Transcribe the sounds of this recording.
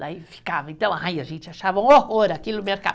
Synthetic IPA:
d̪aifi̥kavɐẽnt̪ɐ̃w̃ajaʒẽnt͡ʃ̪ʒaʃavɐ̃w̃ooɾɐakilʊmeɾka̰

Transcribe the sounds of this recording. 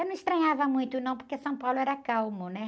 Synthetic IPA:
nɐ̃w̃ist̪ɾɐ̃ɲavɐmũj̃t̪ʊnɐ̃w̃poɾkesɐ̃w̃pawlʊɛɾɐkawmʊnɛ

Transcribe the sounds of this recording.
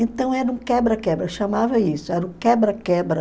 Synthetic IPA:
ẽnt̪ɐ̃w̃ɛɾɐũkɛbɾɐkɛbɾɐʃamavɐisʊɛɾũkɛbɾɐkɛbɾɐ

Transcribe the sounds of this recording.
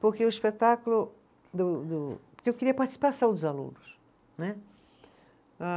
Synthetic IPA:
poɾkeʊiʃpet̪akulʊ | d̪ʊd̪ʊpkeewkeɾiɐpaɾt͡ʃ̪i̥si̥pasɐ̃w̃d̪ʊzalṵ̃nʊs | nɛ | a

